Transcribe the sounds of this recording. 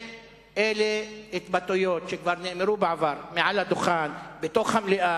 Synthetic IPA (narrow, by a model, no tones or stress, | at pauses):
ʔeleet̪bat̪ujot̪ʃekvaɾneʔmeɾubeʕavaɾmeʕalhad̪oχanbet̪oχhamleʔa